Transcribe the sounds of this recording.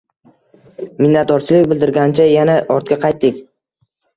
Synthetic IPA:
mɪnːat̪̚d̪ɒɾt͡ʃʰɪlɪk̚ʲbɪld̪ɪɾɡʲant͡ʃʰajanaʔɒɾt̪̚kʲaqʰɑjt̪ːɪkʲ

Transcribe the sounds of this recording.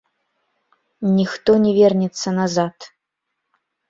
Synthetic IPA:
nʲixt̪ɔnʲɛvʲɛrnʲɛt̪sːɐnazat̪

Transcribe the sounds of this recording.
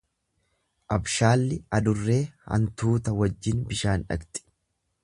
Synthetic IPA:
ʔɐbʃaːlːɪɐd̪ʊrːe̞ːhɐ̰nt̪uːt̪ɐwɐd͡ʒːɪnbɪʃaːnᶑɐ̰ɡt̪ʼɪ̥

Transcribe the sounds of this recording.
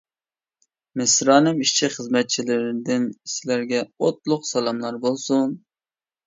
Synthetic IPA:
mɪsɾɑːnɨmiʃt͡ʃʰiχəzmɛt̪̚t͡ʃʰilɪɾɪd̪ɪnisɪlæɾɡʲɛot̪̚lˠʊqsɛlˠɑmlˠɑɾbolˠsun

